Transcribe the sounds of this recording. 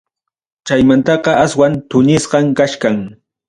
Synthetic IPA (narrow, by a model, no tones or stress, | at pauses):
t͡ʃajmant̪ɑɢɑaswant̪ʊɲɪsɢɑŋkaʃkaŋ